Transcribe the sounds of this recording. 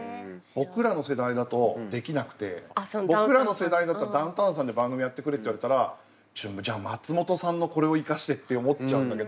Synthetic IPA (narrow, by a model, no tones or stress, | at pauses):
b̥o̞kɯ̟ɾano̞se̞d̪aid̪at̪o̞d̪e̞kʲinakɯ̟̥t̪e̞̰bokɯ̟ɾano̞se̞d̪aid̪at̪ːaɾad̪ãnt̪ãɰ̃s̬ãnd̪ebãŋɡɯmʲijat̪ːe̞kɯ̟ɾet̪ːeiβaɾe̞t̪aɾa | d͡ʑɨ̃mbd͡ʑaːmat͡sɨmo̞t̪o̞sãnːo̞ko̞ɾe̞o̞ikaɕi̥t̪e̞t̪ːe̞o̞mo̞tːt͡ɕaɯ̟̃nd̪ake̞d̪oo